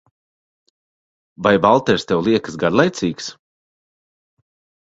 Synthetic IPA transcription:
vajbalˠt̪ɛɾst̪ɛwlˠiɛkə̥sɡaɾlˠɛjt̪siːks

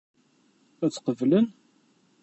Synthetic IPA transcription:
æt͡sːqəvlən

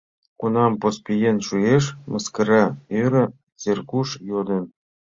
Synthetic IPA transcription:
kunɑmpospʲijenʃujeʃmɤ̆skə̆ɾɑøɾɘ̆ | t͡serkuʃjod̪ɤ̆n

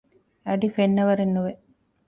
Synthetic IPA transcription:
ɐɖifenːɐʋɐɾenːuʋe

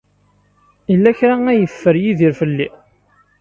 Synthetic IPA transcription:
ilːæçɾaæjəfːəɾjiðiɾfəlːi

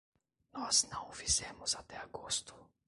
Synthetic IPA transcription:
nɔznɐ̃w̃vizɛ̃mʊzat̪ɛaɡost̪ʊ̥

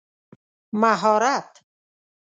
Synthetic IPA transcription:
maɦɔːɾat̪

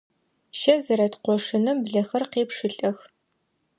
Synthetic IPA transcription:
ʃɐzɐɾɐtqʷɔʂɨnɐmbɮɐxɐrqeːpʂɨɬʼɐx

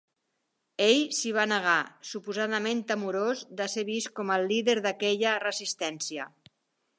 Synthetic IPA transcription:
eʎsiβ̞anəɣ̞asupuzaðəment̪əmuɾozd̪aseβ̞iskɔməlːiðeɾðəkɛʎərəzist̪ɛnsiə

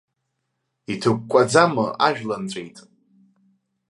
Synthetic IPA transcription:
itʰɨkʷkʷʼad͡zamɨʔaʒᶣlant͡sʷʼejtʼ

